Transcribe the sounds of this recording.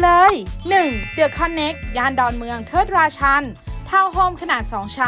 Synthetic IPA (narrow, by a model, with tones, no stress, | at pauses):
lɤː˧jnɯ˨˩ŋdɯ˨˩əkʰːa˧˥nːe˦˥k̚jaː˧ndɔː˨˩nmɯ˧əŋt̪ʰɤː˥˩t̪̚ɾaː˧t͡ɕʰa˧˥nt̪ʰaː˧˥˩wɦoː˧˩mkʰa˧naː˨˩t̪̚sɔː˩˦ŋt͡ɕʰa˦˥